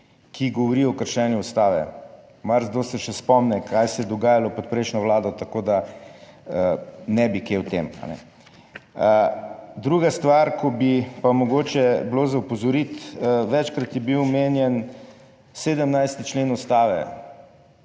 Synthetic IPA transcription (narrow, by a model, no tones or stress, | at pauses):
kʰiɡɔʋɔɾiɔkəɾʃɛːnjuːst̪aːʋɛ̰ | maɾzd̪oːsɛʃɛspɔmnɛkʰajsɛd̪ɔɡaːjalɔpɔt̪̚pɾɛjʃnɔʋlaːd̪ɔt̪akod̪a | ənɛbikewt̪ema̰nɛ̰ | d̪ɾuɡast̪ʋaɾkʰɔbipamɔɡoːt͡ʃɛblozɐupɔzɔɾit̪ʋɛt͡ʃkɾat̪jɛbiwmenjɛn | seːd̪əmnajst̪it͡ʃleːnɔst̪aːʋɛ̰